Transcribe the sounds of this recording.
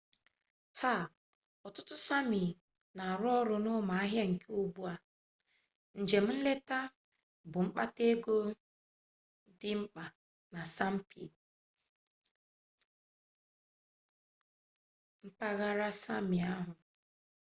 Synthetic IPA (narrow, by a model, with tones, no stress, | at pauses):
tʰa˦˨ | ɔ˨tʊ˦tʊ˦sa˦mi˨ | na˨ɾɔ˦ɾʊ˨nʊ˦ma˨a˦ɦja˦ŋ̩˨ke˦u˨ɡ͡bu˦a˨ | n̩˨d͡ʒe˨m̩˦n̩˦le˦ta˦ | bʊ˨ŋ͡m̩˦k͡pa˦te˦ɡo˦ | dɪ˦m̩˦k͡pa˨ | na˨sa˦m̩˦pḭ˨ | m̩˦pa˦ɣa˦ɾa˦sa˦mɪ˨a˦ɦʊ˨